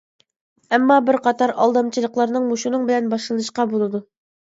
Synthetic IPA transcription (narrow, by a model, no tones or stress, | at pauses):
æmːɑbɘɾqɑt̪ɑɾʔɒ̰lˠd̪ɑmt͡ɕɤ̆lˠɤ̆qlˠɑɾnɤɴmuɕunɤɴbɘ̆ænbɒʃlˠɤ̆nɤ̆ʃqɑbulˠɤ̆d̪ɤ